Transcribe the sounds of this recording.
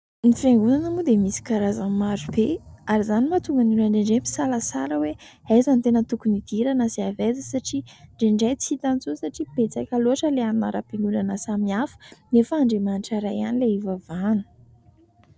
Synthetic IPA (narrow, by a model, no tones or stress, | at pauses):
nifeŋɡunanamud̪emisi̥kaɾazanmaɾub̥eaɾizanimat̪uŋɡaninaɳɖ͡ʐeɳɖ͡ʐempi̥salasaɾəweajzant̪enət̪ukunid̪̥iɾanəseaved͡zisaʈ͡ʂiɳɖ͡ʐeɳɖ͡ʐajt͡sit̪ant͡susaʈ͡ʂib̥et͡sakʲaluaʈ͡ʂəleaninaɾapiŋɡunanəsamiafə̥nefəːɳɖ͡ʐemaniʈ͡ʂaɾaja̰nileivavanu̥